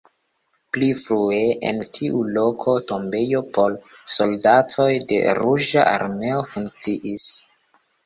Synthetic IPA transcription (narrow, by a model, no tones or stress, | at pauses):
plifɾue̞ʔḛntʰiʔulo̞kʰoto̞mbe̞jo̞pʰo̞l | so̞ldatʰo̞jde̞̰ɾud͡ʒa̰ʔa̰ɾme̞ofuŋk̚t͡siʔis